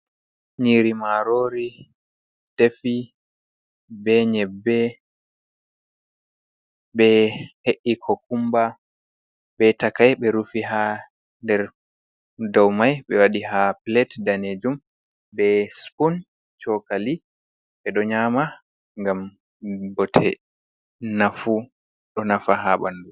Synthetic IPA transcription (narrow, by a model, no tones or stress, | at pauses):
ɲiɾimaɾoɾi | d̥efi | bɛɲɛbːɛ | ɓɛheʔikʰɔkumba | ɓɛtakajɓɛɾufiɦa | ndɛɾ | dawmajɓɛwaɗiɦaplɛtdaned͡ʒum | bɛspun | t͡ʃɔkali | ɓɛɗɔɲaːma | ŋɡam | bɔtʰɛ | nafu | ɗɔnafaɦaɓa̰ndu